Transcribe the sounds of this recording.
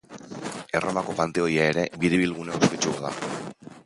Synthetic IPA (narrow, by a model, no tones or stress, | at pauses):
e̞ro̞mako̞pant̪e̞o̞iaeɾe̞biɾeβilɣ̞uneuskit͡ʃuɣoða̰